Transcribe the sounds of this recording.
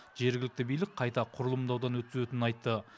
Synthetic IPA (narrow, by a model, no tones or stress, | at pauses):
ʒe̞ɾɡʲɪlɪk̚t̪ɪbijlɪk̚qʰɑjt̪ɑqʰʊɾəlˠəmd̪ɑwd̪ɑnwɵt̪ːɪzøt̪ɪnɪnɑjt̪ːə